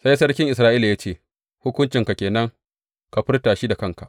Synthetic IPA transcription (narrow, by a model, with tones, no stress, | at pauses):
sa˦jsɐ˦rkʲɪ˦ŋʔɪ˨sɾaː˦ʔiː˦la˨ja˦t͡ʃeː˦˨ | hʊ˦kʷʊ˦nt͡ʃɪ˨ŋka˨kʲeː˨nɐ˦ŋ | ka˨ɸɪ˦rtaː˨ʃiː˦da˨kɐ˦ŋka˨ʔ